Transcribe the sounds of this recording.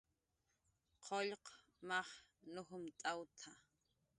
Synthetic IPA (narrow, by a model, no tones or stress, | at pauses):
qʰoʎq | mɑχnʊxʊmt̪ʼawt̪ʰa